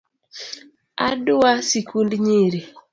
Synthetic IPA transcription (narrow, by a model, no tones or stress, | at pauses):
a̰duwasikundiɲiɾi